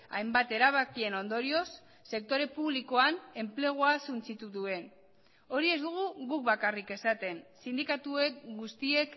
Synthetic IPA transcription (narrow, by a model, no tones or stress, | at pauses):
a̰jmbat̪e̞ɾaβ̞akie̞no̞nd̪o̞ɾio̞sː | e̞k̚t̪o̞ɾe̞puβliko̞ane̞mple̞ɣ̞oasunt͡sit̪uðue̞n | o̞ɾie̞zd̪uɣ̞uɣuk̚βakarike̞sat̪e̞nsind̪ikat̪ue̞kɡust̪ie̞k